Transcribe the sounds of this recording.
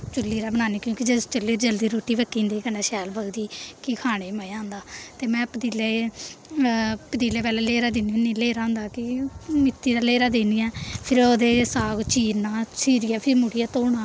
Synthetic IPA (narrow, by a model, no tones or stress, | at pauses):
t͡ʃʊlːiːɾaːbənaːniːkjõːkid͡ʒet͡ʃəlːiːɾd͡ʒəld̪iːɾoːʈːiːʋəkːĩːnd̪eːkənaːʃɛːlbəɡd̪iːkɪkʰaːɽ̃eːməaːnd̪aːt̪eːmɛ̃ːpəd̪iːleː | pəd̪iːleːpɛːlɛːleːɾaːd̪ɪniniːleːɾaːɦʊ̃nd̪aːkɪmɪt̪ːiːd̪aːleːɾaːd̪eːniːɛːpʰɪɾod̪eːsaːɡt͡ʃiːɾnaːsiːɾijaːpʰɪɾmʊɽijaːt̪oːɳaː